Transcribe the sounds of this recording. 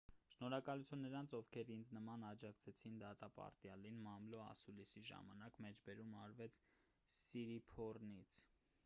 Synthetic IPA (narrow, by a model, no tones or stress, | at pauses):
ʃnɔɾɑkɑlut͡sʰunːəɾɑnt͡sʰɔvkʰɛɾind͡znəmɑnɑd͡ʒɑkt͡sʰɛt͡sʰind̪ɑt̪ɑpɑ̰ɾt̪jɑlinmɑmlɔɑ̰sulisiʒɑ̰mɑnɑkmɛt͡ʃʰbɛɾumɑɾvɛt͡sʰ | siɾipʰɔrnit͡sʰ